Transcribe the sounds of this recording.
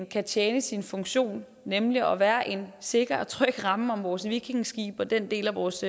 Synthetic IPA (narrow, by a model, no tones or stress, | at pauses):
nkʰæt͡ɕʰjeːnəsinfɔ̽ŋɕo̝̰ːnː | emliɒ̽ʋæːɐʔe̝nse̝ɡ̥ɐt͡sʰʁœɡ̥ʁɑ̈məɒ̽mʋɒːsʋiɡ̥ʰiŋsɡ̥ḭːb̥ɒ̽d̥end̥e̝̰ːlæʋɒːs